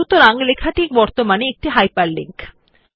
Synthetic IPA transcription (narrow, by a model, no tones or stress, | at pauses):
ut̪oɾaŋlekʰaʈik̚bɔɾt̪omaneek̚ʈiɦajpaɾlḭŋk